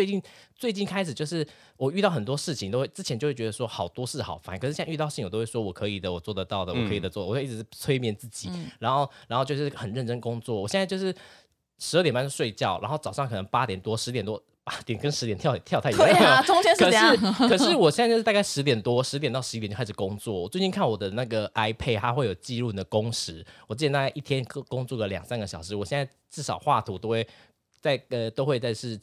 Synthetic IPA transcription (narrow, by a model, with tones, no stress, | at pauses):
e˥˧ɪt͡ɕi˥˩˧nt͡swe˥˧ɪt͡ɕi˥˩nkʰa˥ɪʂ̬̩˨˩t͡ɕjo˥˧ʊʂɻ̩˥˩ | wɔ˨˩y˥˧t̪ɑ˥˩ʊxə˨˩nt̪wɔ˥ʂɻ̩˥˩t͡ɕʰi˨ŋt̪o˥ʊxwe˥˩ɪʈ͡ʂɻ̩˥t͡ɕʰɛ˧˥nt͡ɕo˥˧we˥˩t͡ɕɛ˧˥ə˧ʂwɔ˥xɑ˨˩ʊt̪wɔ˥ʂɻ̩˥˩xɑ̰˨˩ʊfa˥nkʰʂɻ̩˥ɕɛ˥˧y˥˧t̪ɑ˥˧ɕi˥˩ŋwt̪o˥we˥˩ʂwɔ˥wɔ˨˩kʰɤ˧˥i˨˩d̪ə˦wɔ˨˩t͡swɔ˥˩d̪ə˩t̪ɑ˥˩ʊd̪ə˩wɔ˨kʰɤ˧˥i˨˩d̪ə˩t͡swɔ˥˩˨ɔ˨˩˥i˥˩ʈ͡ʂ̩˧˥˩t͡sʰwe˥ɪmjɛ˥˩nt͡sɹ̩˥˩t͡ɕi˨˩ɻa˧˥nxo˥˩ʊɻa˧nxo˥˧t͡ɕjo˥˧ʊʂɻ̩˥˩xə˨˩nɻə˥˩nʈ͡ʂə˥nkʊ˥ŋt͡swɔ˥˩wɔ˨˩ɕɛ˥˧na˥˧jo˥˧ʊʂɻ̩˥˩ | ʂɻ̩˧˥˩t̪jba˥˧t͡ɕo˥˧ʂwe˥˧ɪt͡ɕjɑ˥˩ʊɻʔa˧˥nxo˥˩ʊt͡sɑ˨˩ʊʂɑ˥˩ŋkʰɤ˨˩nə˧˦ŋpa˥t̪jɛ˨˩nt̪wɔ˥ʂɻ̩˧˥t̪jɛ˨˩nt̪wɔ˥ | pa˥t̪jɛ˨˩nkə˥˦nʂɻ̩˧t̪jɛ˨nt̪ʰjʊjt̪ʰjɑ˥˧t̪ʰʈ͡ʂʊ˥ŋɛ˥nkʰə˧˨˩ʂɻ̩˥˩kʰɤ˨˩ʂɻ̩˥˩wɔ˨˩ɕjj̩˥˧˥t̪a˥˧ka˥˩ɪʂɻ̩˧˥t̪̬jɛ˨˩nt̪wɔ˥ʂɻ̩̬˧˥jnt̪ɑ˥˩ʊʂ̩ɻi˥t̪t͡ɕa˥ʂ̩˥˩kʊ˥ŋt͡swɔ˥˩wɔ˨˩t͡swe˥˩ɪt͡ɕi˥˧nkʰa˥˩nwɔ˨˩d̪ə˦na˥˩ɡə˩ʔa˥ɪpʰe˥˧ɪt̪ʰa˥xwe˥˩jo˨˩ʊt͡ɕi˥˧lu˥˩d̪ə˩kʊ˥ŋʂɻ̩˧˥wɔ˨˩˥t͡ɕʰjnt̪a˥˧kɪʔi˥˩t̪ʰjɛ˥n˧kʊ˥ŋt͡swu˥˩lə˩ljɑ̰˨˩ŋsa˥nɡə˩ɕjɑ˨˩ʊʂɻ̩˧˥wɔ˨˩ɕjɛ˥˧nt͡sa˥˧ɪʈ͡ʂɻ̩˥˩ʂɑ˨˩ʊxwa˥˩t̪ʰu˧˥t̪o˥ʊxwe˥˩ɪ | t͡sa˥˩ɪə˧t̪o˥ʊxwe˥˧ɪt͡sa˥˧ɪʂɻ̩˥˩